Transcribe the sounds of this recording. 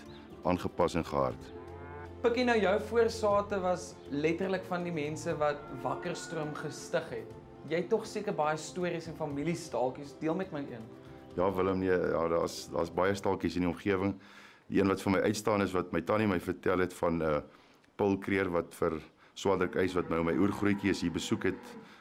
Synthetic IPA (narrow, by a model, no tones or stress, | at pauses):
ʔɑːnχəpɐsɛnχəɐ̰rt | pəkjinəwjəwfuərsɑːtəvɐs | lɛtərləkfɐndimɛnsəvɐt̚vɐkərstruəmχəstəχɦɛt̚ | jɛjtɔχsiəkərbɐjəstuəɾisɛnfɐmilistɐlˠkisdiəlˠmɛtməjʔḭən | jɑːvələmniəɑdɑ̰ːsdɑ̰ːsbɐjəstɑlˠkisəniɔmχiəvəŋ | iʔiənvɐtfərməjʔœjtstɑːnəsvɐt̚məjtɐniməjfərtælˠɦɛtfɐnə | pəlˠkriərvɐtfər | swɑːdərkɛjsvɐtnəwməjʔurχrujkiəsibəsukɦɛt̚